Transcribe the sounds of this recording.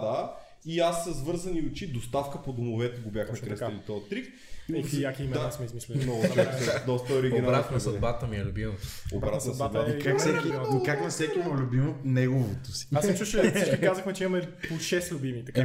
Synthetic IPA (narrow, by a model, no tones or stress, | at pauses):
d̪a | iasːəzvɤɾzɐniʊt͡ʃid̪ost̪afkəpod̪omovɛt̪ɛɡobʲjaxmɛkɾəsɐlit̪ɔt̪ːɾik | jakiimd̪asmɛizmislʲɛnɔɡɛd̪ɔst̪əoɾiɡinaɾat̪nɐsɐd̪bat̪əmiɛlʲʊbino̰bɾat̪nɐsad̪bvat̪kaksɛkiikakmɛfsɛkʲinolʲʊbimot̪nɛɡovot̪osi̥asɛt͡ʃuʃsit͡ʃkikazəxmɛt͡ʃɛimɐmɛpoʃɛst̪lʲʊbimit̪ɐka